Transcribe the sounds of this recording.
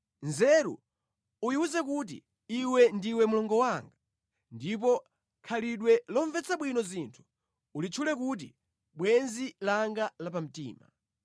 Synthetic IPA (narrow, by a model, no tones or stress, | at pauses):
nzɛɾṵ | ujiuzɛk̬ut̬ḭ | iwɛndiwɛmulɔŋɡɔwaŋɡa | ndip̬ɔ | kʰaliɗwɛlɔɱvɛt͡saɓwinɔzintʰu̥ | ulit͡ʃʰulɛkut̬ḭ | ɓwɛnzilaŋɡalapam̩tḭːma̰